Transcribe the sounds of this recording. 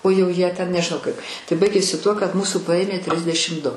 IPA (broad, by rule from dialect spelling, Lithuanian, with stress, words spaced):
oː jɛʊ ˈjiɛ tʲɛn nʲɛʒʲɪˈnɐʊ ˈkɐɪp tɐɪ ˈbɐɪɡʲeːsʲɪ ˈtuɔ kɐt ˈmuːsuː ˈpɐeːmʲeː ˈtʲrʲɪzʲdʲɛʃʲɪm dʊ